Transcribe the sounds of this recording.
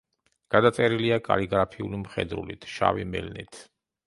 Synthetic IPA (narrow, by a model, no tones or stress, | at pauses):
ɡ̥ad̪at̪sʼɛɾiliakʼa̰liɡɾapʰiulimχɛ̰d̪ɾṵlḭt̪ʰʃa̰vimɛ̰lnit̪ʰ